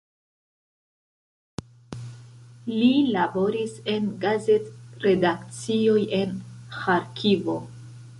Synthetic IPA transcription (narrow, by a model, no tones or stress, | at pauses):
lilabo̞ɾise̞nɡaze̞tɾe̞dakt͡sio̞je̞nxaɾkʰivo̞